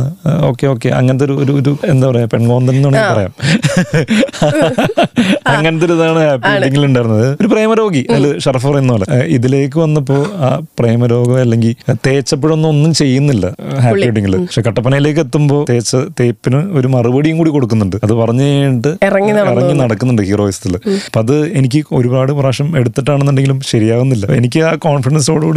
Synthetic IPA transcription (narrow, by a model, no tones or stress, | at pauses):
o̞̰ːkːe̞o̞ːkːeʔɐ̰ŋːɐnɐt̪̬ːo̞ɾuoɾuoɾuend̪aːʋɐɐpeɳɡo̞ːnd̪ɐnenːuːɳipɐrɐja̰ːm | ɐŋːɐnɐt̪̬ːiɾɐðaːɳɨhaːpːieʈːiŋɡiluɳɖaːjɾunːɐðɨoɾupreːmɐɾo̞ːɡiɐlːɨʂɐrfɐpɐrɐjunːuoːlɐiðile̞ːk̬ːɨʋɐnːɐp̬ːo̞ːaːpreːmɐɾo̞ːɡɐmɐlːe̞ŋɡilt̪e̞ːt͡ɕːɐpːeɻonːuonːumt͡ɕe̞jːunːilːɐɦaːpieʈ̬ːiŋːɡilpɐkʂekɐʈːɐpːɐnɐjile̞ːkːe̞t̪ːumbo̞ːt̪e̞ːt͡ɕːɐt̪e̞ːpːinɨo̞ɾumɐrɨbɐɽijumkuːɽiko̞ɽukːunːuɳɖɨɐðɨpɐrɐɲːut͡ɕejɳɨʈːɨrɐŋːiɐirɐŋːinɐɽɐkːunːuɳɖɨhiːro̞ːisɐt̪ːilɐpːoɐðɨe̞nik̬ʲːɨo̞̰ɾupaːɽɨpɐraːʂɐme̞ɽut̪ːiʈːaːɳenːuɳɖe̞ŋɡilumɕɐɾijaːʋunːilːɐe̞nikʲːɨaːkoːnfiɽɐns̬o̞ːɽɐkuːɽi